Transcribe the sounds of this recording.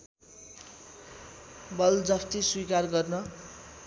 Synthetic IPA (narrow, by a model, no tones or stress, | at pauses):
bʌld͡zʌst̪iswikarɡʌrnʌ